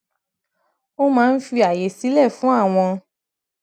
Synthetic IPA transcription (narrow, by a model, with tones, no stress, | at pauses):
o˦mãː˧n̩˦fi˧a˨je˨˦si˨˦lɛ˦˨fũ˨˦a˦˨w̃ɔ̃˧